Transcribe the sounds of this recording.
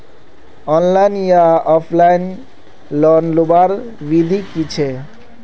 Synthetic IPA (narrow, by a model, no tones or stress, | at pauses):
ɔnlajnjaɔpʰlajn | lɔnlubaɾ | bid̪ʱikit͡ɕʰe